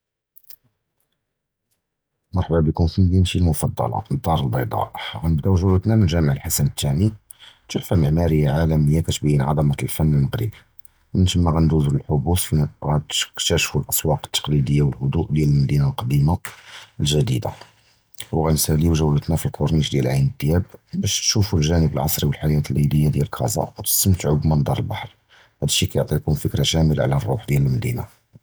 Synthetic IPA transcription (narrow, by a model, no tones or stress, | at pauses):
mɑɾˤħbæbikʊmfimd̪inʃilmʊfɑd̪ˤːɑ̰lɑ̰nd̪ˤɑɾˤəlbɑjd̪ˤɑ̰ʔɣænəb̚d̪æwʒulət̪næmənʒæməʕəlħasænət̪ʰːæmi | t̪uħfæməʕmæɾəjːaʕalæməjːakæt̪biinʕɑd̪ˤɑmɑlfænːəlməɣɾḭb | ʔənʃəmːæɣænd̪uzɾəlħʊbusfiɣækt̪æʃfulʔɑsˤwɑqə̥t̪ːḁqlid̪əjːawəlhʊd̪uʔd̪jæləlmæd̪inalqɑd̪imaəlʒæd̪id̪a̰ | wɣænsæliwʒæwːlət̪næfilqʰoɾˤniʃd̪jælʕajnəd̪ːjæb̚bæʃʃufulʒænəbəlʕɑsˤɾiwəlħajæt̪əlʔid̪əjːad̪jæləlkʰɑ̰zˤɑ̰æt̪ə̥sːəmt̪ʕubmənd̪ɑɾˤəlbɑħɾˤ | hæd̪əʃːikæjoʕt̪ˤikʊmfəkɾaʃæməla̰ʕlærˤːuħd̪jæləlmæd̪ina